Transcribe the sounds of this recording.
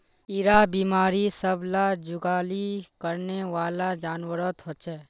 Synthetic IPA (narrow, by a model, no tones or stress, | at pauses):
ɪɾabiːmaːɾisəblad͡ʒʊɡaːlikəɾneʋaːlad͡ʒaːnwəɾət̪ɦot͡ʃɛː